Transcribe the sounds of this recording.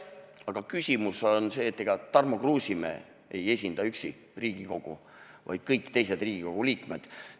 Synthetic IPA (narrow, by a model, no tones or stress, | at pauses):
ɑɡ̥ɑkysʲimusonse̞ːt̪ˑːeɡ̥ɑt̪ɑrmoɡruːsimḛː | eje̞s̬ʲind̪̥ɑyksi | riːɡ̥iko̞ɡ̥ṵ | vɑ̰jd̪̥kɤjkːt̪e̞jse̞d̪̥riːɡ̥iko̞ɡ̥uliːkmed̪̥